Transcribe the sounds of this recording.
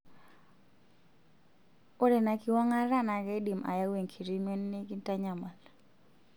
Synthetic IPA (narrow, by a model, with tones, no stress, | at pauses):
ʊ˦ɾɛ˨na˨kɪ˦wɔ˦ŋa˦ɾa˦na˨kɛ˦di˨mʔa̰˨ja˦we˨ŋkʰi˨ɾi˦mɔ˦nːi˦ki˦nta˦ɲa˨ma˨l